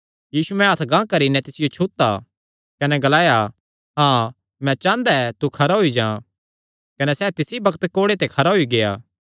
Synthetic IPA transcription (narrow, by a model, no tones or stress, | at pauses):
jiːsuɛ̃ɦɐt̪ʰɡãːkɐɾinɛ̃t̪ɪsɪjot͡ʃʰut̪ːa̰ | kɐnɛɡɐlaːja | ɦãː | mɛ̃t͡ʃãːnd̪aɛt̪ukʰɐɾaɦoid͡ʒãː | kɐnɛsɛːt̪ɪsibɐkt̪koːɽet̪ekʰɐɾaɦoiɡeja̰ː